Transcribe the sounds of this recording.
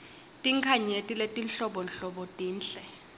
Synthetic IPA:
tʼiŋkʰaɲetʼiletʼinɬɔɓɔnɬɔɓɔtʼiːnɬɛ

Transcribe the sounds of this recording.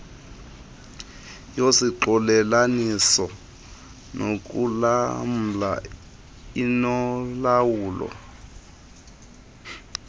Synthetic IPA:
josiǃɔlɛlanisɔ | nʔok̬ʼulam̩la̰ | inɔlawuːlɔ̰

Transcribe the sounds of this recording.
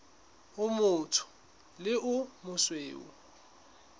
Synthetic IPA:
ʊmʊtʰʊ̥ | lɪʔʊmʊsweːṵ

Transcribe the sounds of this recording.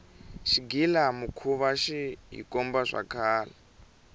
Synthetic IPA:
ʃiɡilamukʰuβaʃiɦḭkɔmbaʐa̰kʰaːla

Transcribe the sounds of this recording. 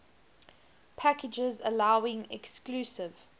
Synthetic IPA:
pʰækɪd͡ʒɪzəlaʊɪ̃ŋɛ̰kskluːsɪv̥

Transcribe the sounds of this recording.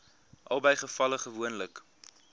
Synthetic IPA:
ʔɐ̰lˠbəjχəfɐləχəvuənlək

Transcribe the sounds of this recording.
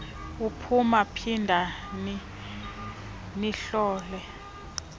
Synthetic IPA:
upʰumapʰindʱani | niɬɔːlɛ

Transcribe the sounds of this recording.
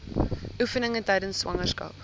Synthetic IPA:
ʔufənəŋətɛjdənsːwɐ̰ŋərskɐ̰p

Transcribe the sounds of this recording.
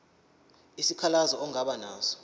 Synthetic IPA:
isikʰalazɔɔŋaɓanaːsɔ̥

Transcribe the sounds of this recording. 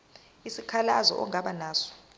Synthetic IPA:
isikʰalazɔ̰ʔɔŋaɓanaːsɔ̥

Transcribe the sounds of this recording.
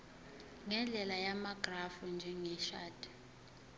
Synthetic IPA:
ŋɛnd͡ɮʱɛlajamaɡ̥rafund͡ʒʱɛŋɛʃaːd̥ʱʼi̥

